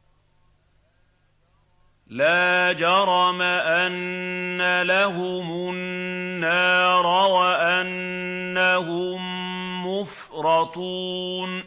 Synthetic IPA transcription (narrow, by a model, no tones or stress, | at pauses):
laːd͡ʒɑɾˤɑmaʔanːalaɦʊmʊnːaːɾˤɑwaʔanːaɦʊmːʊf | ɾˤɑt̪uːn